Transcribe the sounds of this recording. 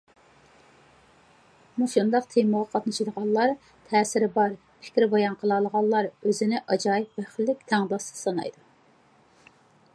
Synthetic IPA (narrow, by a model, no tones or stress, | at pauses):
muʃund̪ɑqt̪ʰeməʁɑqʰɑt̪nɨʃid̪əʁɑlˠlˠɑɾ | t̪ʰɛːsɪɾɪbɑɾ | pʰɪ̥kʲɾɪbɑjɑnqʰəlˠɑlˠəʁɑlˠːɑɾøzɪnɪʔɑd͡ʒɑːjipvɛχɪlːɪkʲt̪ʰɛŋb̪ˠɑsɨ̥sɑnɑ̰jd̪u